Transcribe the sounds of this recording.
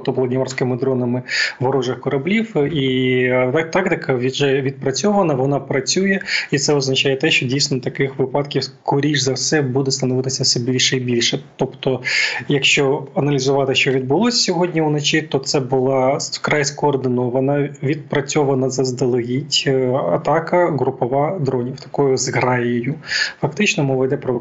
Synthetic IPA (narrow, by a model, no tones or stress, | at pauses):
ɔblˠɐd̪ʲnʲimɑrsʲkɪmɪd̪ɾɔnɐmɪʋɔɾɔʐɪxkɔɾɐblʲiwi | t̪ɑkt̪ɪkʰɐʋʲidʒɛʋʲid̪̚pɾɐt͡sʲɔʋɐnɐʋɔnɑpɾɐt͡sʲujɛit̪sɛɔznɐt͡ʃajɛt̪ɛʃt͡ʃɔdʲijsʲnɔt̪ɐkɪxʋɪpɑt̪kʲiwkʰɔɾʲiʒzɐwsɛbud̪ɛst̪ɐnɔʋɪt̪ɪsʲɐfsɛbʲilʲʃɛibʲilʲʃɛt̪ɔpt̪ɔjɐkʃt͡ʃɔɐnɐlʲizʊʋɑt̪ɪʃt͡ʃɔʋʲid̪̚bʊlˠɔsʲsʲɔɦɔdʲnʲiunɐt͡ʃɪt̪ɔt̪sɛbʊlˠɑkɾɑjskɔːrd̪ɪnɔʋɐnɐʋʲid̪̚pɾɐt͡sʲɔʋɐnɐzɐzd̪ɐlˠɐɦʲitʲɐt̪ɑkɐɣɾʊpɔʋɑd̪ɾɔnʲiwt̪ɐ̥kɔjʊzɣɾɑjɪjʊfɐkt̪ɪt͡ʃnɔmɔʋɛd̪ɛpɾɔ